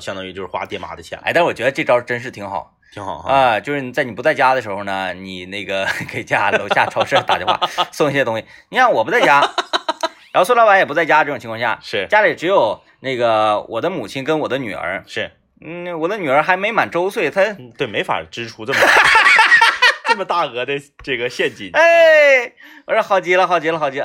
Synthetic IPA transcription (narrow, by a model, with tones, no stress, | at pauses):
ɕjɑ˥ŋt̪ɑ˥˧y˧t͡ɕjo˥˧ʂɻ̩˥xwa̰˥t̪jɛ˥˩nma̰˧˥d̪ə˧˩jɛ̰˧˩a̰˥˧t̪ʂ̩˥wɔ˨˩ɥɛ˧˥ə˧ʈ͡ʂɤ˥˩˧ʈ͡ʂɑ˥ʊʂ̩˥˧ʈ͡ʂə˥nʂ̬ɻ̩˥˩t̪ʰi˧˥ŋxɑ̰˨˩˦i˧˥ŋxɑ̰˨˩ʊə˧t͡ɕjʊʂɻ̩˥˩i˨˩t͡sa˥˩ɪni˨˩pu˧t͡sa˥˩ɪt͡ɕja˥d̪ə˨˩ʂɻ̩˧˥xo˧nə˩ni˨˩ne˥˩ɡə˩ke˧˨˩ɪt͡ɕja˥lo˧˥ʊɕja̰˥˩ʈ͡ʂʰɑ˥ʊʂə˥˧˩t̪a̰˨˧˨t͡ɕjwa̰˥˩sʊ˥˩ŋi˥ɕjɛ˥t̪ʊ˥ŋɕi˨˩ni˨˩ʂɑ˥˩ŋwɔ˨˩p̬u˧˥t͡sa˥˩ɪt͡ɕja˥ | ɻɑ˧˥˧swla˧˥pa˧˥njɛ˨˩pu˧˥t͡sa˥˩ɪt͡ɕja˥ʈ͡ʂɤ˥˩ʊ˨ŋt͡ɕʰi˧˥kʰɑ˥˧ɕja̰˥˩ʂɻ̩˥˩t͡ɕja˥li˨˩ʈ͡ʂɻ̩˧˥jo˨˩ʊ | ne˥˩ɡə˩wʔɔ˨˩d̪ə˦mu˨˩t͡ɕʰi˥nkə˥nwɔ˨˩d̪ə˦ny̰˨˩ə̰˞˧˥ʂɻ̩˥˩ | n̩˥˩wɔ˨˩d̪ə˦ny˨˩ə˞˧˥xa˧˥ɪme˧˥ɪma̰˨˩nʈ͡ʂo˥ʊswe˥˩ɪt̪ʰa˥t̪we˥˩ɪme˧˥ɪfa̰˨˩ʈ͡ʂɻ̩˥ʈ͡ʂʰu˧˥ʈ͡ʂɤ˥˩m | t͡sə˥˩mə˩t̪a˥˩xɤ˧˥d̪ə˧ʈ͡ʂɤ˥˩ɡə˩ɕjɛ˥˩nt͡ɕḭ˨˩e˥ | wɔ˨˩ʂ̩˥˧xɑ˥˩ʊt͡ɕi˥lə˧xɑ˥˩ʊt͡ɕi˥lə˧xɑ˥˩t͡ɕi˥lə˧